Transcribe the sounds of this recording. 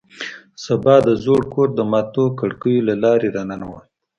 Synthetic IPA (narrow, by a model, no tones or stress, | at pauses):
sabɑd̪əzoɽkoɾd̪əmɑt̪okəɽkəjolalɑɾeɾananawal